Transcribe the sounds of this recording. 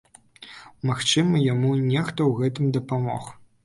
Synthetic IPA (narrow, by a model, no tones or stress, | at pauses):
maxt͡ʂɨmɐjamunʲɛxt̪ɐwɣɛt̪ɨmd̪ɐpamɔ̰x